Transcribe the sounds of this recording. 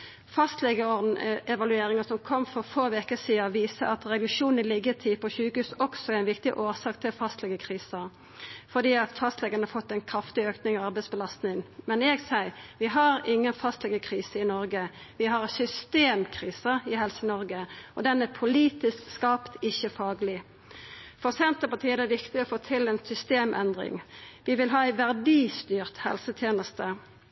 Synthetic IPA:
fɑst̪lɛɡəɔʁd̪n̩ɛʋɑlʉeːɾɪŋəsɔmkʰɔmːfɔʁfoːʋɛkəsiːd̪ʋiːsəɑt̪ɾɛd̪ʉʃuːnɪlɪɡːət̪ʰɪpʰɔçʉːkʉːsɔksɔæɾɪnʋɪkt̪ɪʔoːsɑːkt̪ʰɪlfɑst̪lɛɡəkʰʁiːsə | fɔd̪iːɑt̪fɑst̪lɛɡənhɑfɔt̪ːɛɪnkʰɾɑft̪ɪøːknɪŋɔɑɾbɛɪtsbəlɑst̪nɪŋmɛnɛːɡsæɪʋɪɦɑʁɪŋːənfɑst̪lɛɡəkʰʁiːsəɪnɔɾɡə | ʋɪɦɑʁsʏst̪eːmkʰʁiːsəʁɪɦɛlsənɔʁɡəɔd̪ɛnːæpʰʊliːt̪ɪskskɑːpt̪ɪçːəfɑːɡəlɪ | fɔʁsɛnt̪əpɑt̪ʰiːəd̪ɛʋɪkt̪ɪɔfoːt̪ʰɪlɛnsʏst̪eːmʔɛ̰nd̪ʁɪ̰ŋʋɪʋɪlɦɑːæɪʋæʁd̪iːst̪yːʁt̪hɛ̰lsət̪ʰjeːnəst̪ə

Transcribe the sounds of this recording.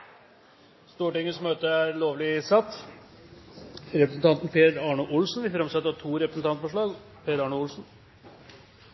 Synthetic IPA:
st̪uːʈɪŋːəsmøːt̪əæɾloːʋlɪsɑt̪ː | ɾɛpɾəsn̩t̪ʰɑnt̪npʰeːɾɑːɳʊʔʊlsnʋɪfɾɑmsɑt̪ːəɾɑʈʰuːɾɛpɾəsn̩t̪ɑnt̪fɔʂɭɑːɡ | pʰeːɾɑːɳʊʊlsn

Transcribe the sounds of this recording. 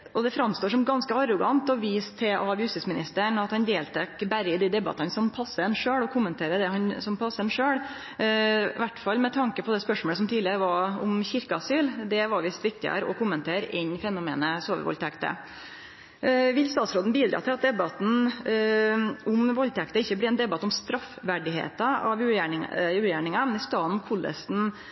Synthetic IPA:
ɔd̪ɛfɾɑmst̪oːʂɔmɡɑnskəɑɾɔɡɑnt̪ɔʋiːst̪ʰːɛʔɑʋjʉst̪ɪsmɪnɪst̪əɳɑt̪hɑnd̪eːlt̪ʰɛkbæɾɪd̪id̪ɛbɑ̰t̪ɑnəsɔmpʰɑsːənʂøːɽɔkʰʊmːənt̪ʰeːɾəd̪ɛhɑnsɔmpʰɑsːəɛnʂøːɽ | ʋæʈːfɑlmɛt̪ʰɑŋkəpʰɔd̪ɛspœʂmɔːləsɔmt̪ʰiːlɪəɾʋɑɾʊ̰mçɪɾkəɑsyːld̪ɛʋɑɾʋɪst̪ʋɪk̚t̪ɪə̰ɾɔ̰kʰʊmːənt̪ʰeːɾɪɲfɛnʊmeːnəsoːʋə̰ɾʋɔ̰lt̪ʰɛkt̪ə̰ | ʋɪlst̪ɑːt̪sɾoːd̪n̩biːd̪ɾʔɑ̰ːt̪ʰɪlɑt̪̚d̪ɛbɑt̪n̩ | ʊmʋɔlt̪ʰɛkt̪əɪçːəbliːɛnd̪ɛbɑt̪ɔmst̪ɾɑfʋæɖɪɦḛːt̪ɑɑʋʉːjæʉːjæɳɪŋɑmɛnɪst̪ɑːnkʰʊlːə̰sn

